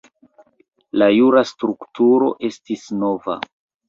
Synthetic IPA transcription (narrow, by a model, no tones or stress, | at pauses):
lajuɾastɾuktuɾo̞ʔe̞stisno̞va̰